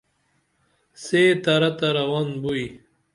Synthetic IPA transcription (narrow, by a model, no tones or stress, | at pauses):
seːt̪ɐɾɐt̪aɾɐwanbuj